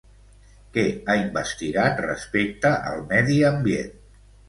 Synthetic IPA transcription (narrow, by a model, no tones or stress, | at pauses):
kɛaimbəst̪iɣat̪rə̰spek̚t̪əʔə̰lˠmɛðiəmbjḛn